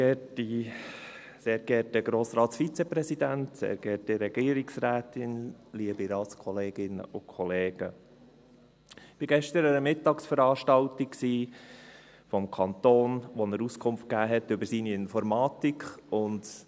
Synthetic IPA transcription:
ɡɛti | seːɾɡ̥ɛɾtəɡɾoːsɾɑːtsfit͡sɛpɾɛsid̪æntsḛːɾɡ̥ɛːɾtəɾɛɡ̥iːəɾiksɾæːt̪ɪnliəbiɾɑːskʰɔleːɡ̥ɪnə̰ʔʊkʰɔleːɡ̥ə | ɪb̥ɪɡɛʃtəɾəəmɪtːɑksfəɾɑːʃtɑltiksiː | fɔmkʰɑnt̪oːnʋɔnəɾuskʰʊmft̚kæːɦɛt̪ʏbəɾsiniɪnfɔɾmɑːt̪ikχʊnd

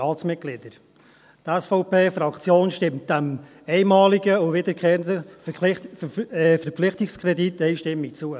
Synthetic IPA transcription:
ɑːt͡smɪt̚ɡ̥lɪdəɾ | tɛsfoʊpeːfɾɑkt͡sjoːnʃtɪmt̚d̥æm | ɛɪmɑːlɪɡəʊvɪdəɾkʰeːɾəndə | fəɾpp͡flɪχtɪkskʰʁɛditɛɪʃtɪmːit͡suə

